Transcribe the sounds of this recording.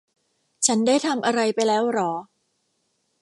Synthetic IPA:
t͡ɕʰa˦˥ndaː˥˩jt̪ʰa˧mʔa˧ɾa˧jpa˧jlɛː˦˥wɾɔː˩˦

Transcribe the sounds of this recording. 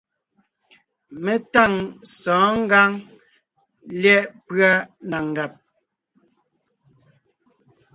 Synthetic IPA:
mɛ˦ta˦˨ŋsɔ̃ː˨˦ŋ̩˦ɡa˦ŋ | ljɛ˦ʔpɰa˦na˨ŋ˨ɡa˨p̚

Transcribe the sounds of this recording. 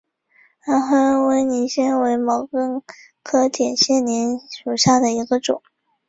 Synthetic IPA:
ɻa˧˥nxo˥we˧˥ɪni˧˨˥ɕjɛ˥nwe˧˥ɪmɑ˨˩ʊkɤ˥˩ŋ | kʰɤ˥t̪ʰjɛ˨˩nɕjɛ˥˩nnjɛ˧˥nʂu˨˩ɕja˥˩d̪ə˩i˧˥ɡə˧ʈ͡ʂʊ̰˨˩˦

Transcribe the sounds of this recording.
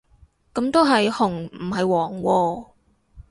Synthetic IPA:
kɐ˨˥mt̪o˥wɦɐ˨jhʊ˨˩ŋm̩˨˩hɐ˨jwɔː˨˩ŋwɔː˧

